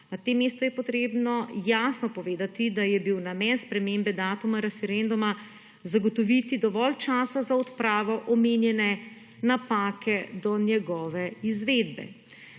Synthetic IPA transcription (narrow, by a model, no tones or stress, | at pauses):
nat̪emːeːst̪ɔjɛpɔt̪ɾeːbnɔjaːsnɔpɔʋeːd̪at̪id̪ajɛbiwnamɛnspɾɛmembɛd̪aːt̪umaɾɛfɛɾɛnd̪uma | zaɡɔt̪ɔʋit̪id̪ɔʋɔlt͡ʃaːsazaɔt̪pɾaːʋɔʔɔmenjɛnɛ | napaːkʰɛd̪ɔnjɛɡɔːʋɛizʋed̪bɛ̰